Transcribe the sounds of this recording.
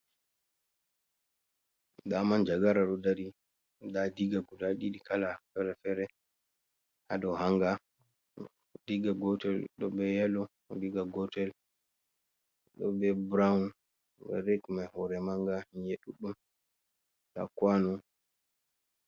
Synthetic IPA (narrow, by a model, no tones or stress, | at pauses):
damand͡ʒaɡaɾaɗɔdaɾi | dadiɡaɡudaɗiɗikalafɛɾɛfɛɾɛ | hadɔhaŋɡa | diɡaɡɔtɛlɗɔbɛjalɔ | diɡaɡɔtɛl | ɗɔ̰bɛbɾaun | bɛ̰ɾekmahɔɾɛmaŋɡaɲjeɗuɗum | ta̰kwanɔ